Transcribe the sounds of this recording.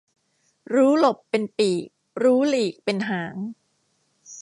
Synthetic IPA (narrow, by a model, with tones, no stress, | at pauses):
ɾuː˦˥lo˨˩pːe˧npiː˨˩k̚ | ɾuː˦˥liː˨˩k̚pe˧nɦaː˩˦ŋ